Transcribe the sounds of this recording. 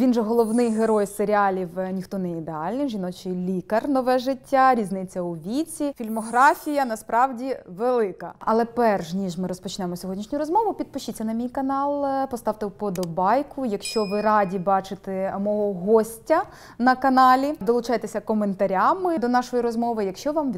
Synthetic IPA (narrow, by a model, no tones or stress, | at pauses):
ʋʲinʒɛɦɔlˠɔʋnɪjɦeɾɔjseɾʲɪɑlʲiwnʲixt̪ɔnɛid̪eɑlʲnɪʒʲinɔt͡ʃɪlʲikɐrnɔʋɛʒɪtʲːaɾʲiznɪt͡sʲːɐuʋʲit͡sʲifʲilʲmɔɦɾɑfʲijɐnɐspɾɑwdʲiʋelˠɪkɐ̰ɐlˠɛpɛrʃnʲiʒmɪɾɔspɔt͡ʃnɛmɔsʲɔɦɔdʲnʲiʃnʲʊɾɔzmɔʋʊpʲid̪̚pɪʃt͡ʃit͡sʲːɐnɐmʲijkɐnɑlˠpɔst̪ɑwt̪ɛwpɔd̪ɔbɑjkʰʊjɐkʃt͡ʃɔʋɪɾɑdʲibɑt͡ʃɪt̪ɛmɔɦɔɦɔsʲtʲɐ | nɐkɐnɑlʲid̪ɔlˠʊt͡ʃɑjet̪esʲɐkɔment̪ɐɾʲamɪd̪ɔnɑʃɔjiɾɔzmɔʋɪjɐkʃt͡ʃɔʋɑmʋʲ